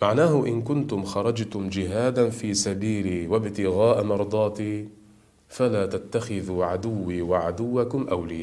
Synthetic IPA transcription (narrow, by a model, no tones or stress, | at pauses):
maʕnaːhʊʔɪnkʊnt̪ʊmxɑɾˤɑd͡ʒt̪ʊmd͡ʒɪɦaːd̪anfiːsabiːliːwabt̪ɪɣaːʔmɑɾˤd̪ˤɑːt̪iː | falaːt̪at̪ːaxɪðuːʕad̪ʊwːiːwaʕad̪ʊwːakʊmʔawlɪjaː